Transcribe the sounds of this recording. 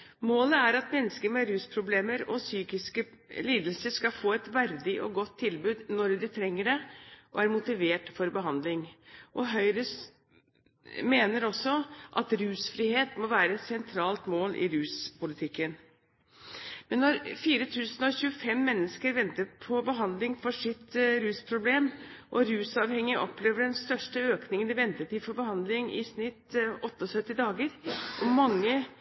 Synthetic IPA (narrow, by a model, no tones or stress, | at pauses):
moːləæɾɑt̪mɛnːəskəɾmɛɾʉːspʰɾʊbleːməɾɔ̰syːkɪskə | liːd̪əlsəskɑfoːɛt̪ʋæɾd̪ɪʔɔ̰ɡɔt̪ʰːɪlbʉːd̪nɔɾd̪ɪt̪ʰɾɛŋːəɖɛʔɔ̰æɾmʊt̪ɪʋeːʈfɔɾbəɦɑnd̪lɪŋʔɔɦœʏɾəs | meːnəɾɔsːɔʔɑt̪ɾʉːsfɾiːheːt̪mɔʋæːɾəɛt̪sɛnt̪ʰɾɑːlt̪moːlʔɪ̰ɾʉːspʊlɪt̪ʰɪkːən | mɛnːɔɾfiːɾət̪ʰʉːsn̩ɔçʉːəfɛmːɛnːəskəɾʋɛnt̪əɾpʰɔbəɦɑnd̪lɪŋfɔʂɪt̪ɾʉːspʰɾʊbleːmʔɔɾʉːsɑʋhɛŋːɪəʔɔpleːʋəɖɛnst̪œʂʈəøːknɪŋənɪʋɛnt̪ət̪ʰɪfɔɾbəhɑnd̪lɪŋʔɪ̰snɪt̪ɔt̪ːəɔsœt̪ːɪd̪ɑːɡəɾʔɔmɑŋːə